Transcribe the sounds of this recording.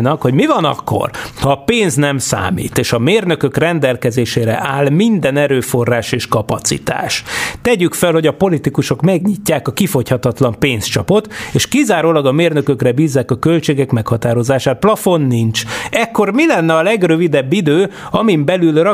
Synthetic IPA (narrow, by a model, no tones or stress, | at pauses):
nɒkho̞ɟmivɒnɒ̰kːo̰rhɒːpeːnznɛmsa̰ːmḭːt̪eːʃɒmeːrnø̞kø̞krɛnd̪ɛlkɛzeːʃeːɾɛ̰ʔaːlmind̪ɛnɛɾøːfo̞rːaːʃeːʃkɒpɒt̪sḭt̪a̰ːʃt̪ɛɟykfɛlho̞ɟɒpo̞lit̪ikuʃo̞kmɛɡɲicːaːkɒkifo̞chɒt̪ɒt̪lɒmpeːnst͡ʃɒpo̞t̪eːʃkizaːɾoːlɒɡɒmeːrnø̞køkrɛbiːzːaːkɒkølt͡ʃeːɡɛkmɛkhɒt̪aːɾo̞zaːʃaːt̪̚plɒfo̞nːint͡ʃɛkːo̞rmilɛnːɛɒlɛɡrøvid̪ɛbːid̪øːɒmimbɛlylrɒ